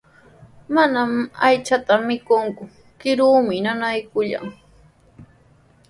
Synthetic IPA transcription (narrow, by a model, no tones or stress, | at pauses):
manamajt͡ʃat̪amːɪkʊŋkʊ | kɪɾuːmɪnanajkʊʎa̰ŋ